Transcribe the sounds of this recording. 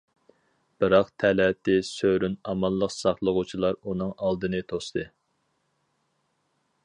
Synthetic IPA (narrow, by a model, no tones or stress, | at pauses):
b̥ɨɾɑqt̪ʰɛlɛt̪ɪsøɾynɑmɑlˠːəqsɑχlˠəʁʊt͡ʃʰilˠɑɾunɨŋɑlˠd̪ɨnɨt̪ʰost̪ʰɨ